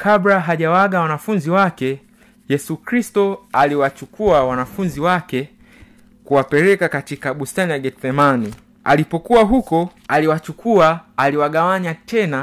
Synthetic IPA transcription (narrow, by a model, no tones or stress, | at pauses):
kʰabɾaɦaʄawaɡawanafunziwakɛ | jɛsukɾistɔaliwat͡ʃukuawanafunziwakɛ | kuwapɛɾɛkakatikaɓustanijaɡɛθɛmani | a̰lipɔkuwaɦukɔaliwat͡ʃukuaːliwaɠawaɲatɛna